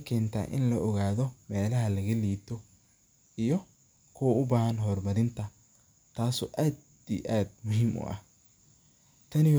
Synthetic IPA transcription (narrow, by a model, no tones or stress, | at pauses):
kʰɛːnt̪ʰa̰ːʔɪ̰nlɐʔɔɣaːðɔmɛːlɐɦɐlɐɣɐliːt̪ʰɔ | ijɔ | kʰʊwɐʊbaːhɐnɦɔːrmɐɾɪnt̪ʰɐ | t̪ʰaːsɔ̰ːʔaːd̪ | iʔaːd̪̚mʊɦiːmʔʊ̰ʔɐ̰h | t̪ʰɐnɪ